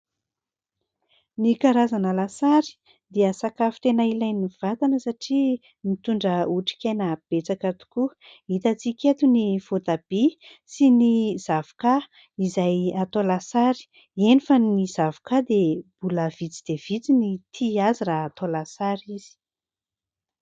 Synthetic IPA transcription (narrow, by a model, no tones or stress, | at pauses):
nikaɾazanəlasaɾi̥ | d̪eəsakafi̥t̪enailajniv̥at̪anəsaʈ͡ʂi | mit̪uɳɖ͡ʐəuʈ͡ʂi̥kʲejnəb̥et͡sakat̪u̥ku | it̪at͡sikʲet̪univ̥ot̪ab̥i | siniz̥avu̥ka | izajat̪olasaɾi̥ | enifəniz̥avu̥kad̪eb̥uləvit͡si̥d̪̥ev̥it͡sinit̪ʰiaziraːt̪olasaɾiz̥i̥